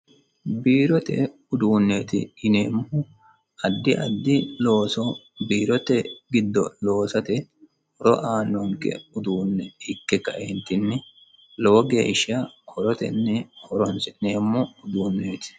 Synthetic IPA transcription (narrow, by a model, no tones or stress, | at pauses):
biːɾɔt̪ɛ̰ | ʊd̪uːnːeːt̪ɪ̰ːneːmːɔ | ɐd̪ːɪʔɐd̪ːɪlo̞ːsɔ | biːɾɔt̪ɛɡɪd̪ːɔlo̞ːsɐt̪ɛ | hɔɾɔʔaːnːɔŋkɛ̰ʊd̪uːnːɛɪkːɛkːɐ̰ʔɛnt̪ːɪnːɛ | lɔwɔɡe̞̰ːʃɐkʰɔɾɔt̪ɛ̰nːɛhʰɔɾɔnsɛneːmːɔʊd̪uːnːeːt̪ɪ̥